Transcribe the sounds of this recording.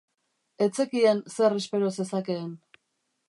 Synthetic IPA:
e̞t͡se̞kiense̞re̞spe̞ɾo̞se̞sake̞ːn

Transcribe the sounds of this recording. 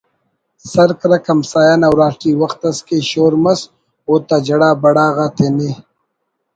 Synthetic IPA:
sɐɾkɾɐkɐmsaːjaːnawɾaːʈiːwɐxt̪ɐskeɕoːɾmɐs | oːt̪ɐd͡ʒɐɽaːbɐɽaːɣaːt̪ʰene

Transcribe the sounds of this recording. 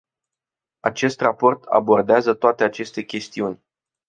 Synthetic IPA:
at͡ʃe̞st̪rapo̞rt̪ʰa̰bo̞rd̪eazət̪oat̪e̞at͡ʃe̞st̪e̞kʲe̞st̪iunʲ

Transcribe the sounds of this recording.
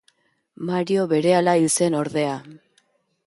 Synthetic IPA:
maɾio̞βe̞ɾe̞alailt͡se̞no̞ɾðe̞a

